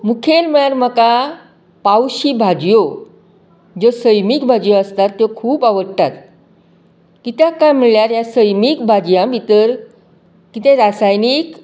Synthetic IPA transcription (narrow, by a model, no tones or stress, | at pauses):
mukʰelməɭaɾməka | pawɕibʱad͡ʑjo | d͡zosəjmikbʱad͡ʑjoəst̪at̪ːjokʰuːpaʋəɽt̪at̪ | kit̪jakajməɭljaɾjasəjmiːk̚bʱad͡ʑjãbʱit̪əɾ | kit̪ẽɾasajnik